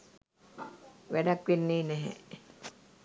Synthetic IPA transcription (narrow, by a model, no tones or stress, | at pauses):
ʋeɖakʋinːiːneɦḛ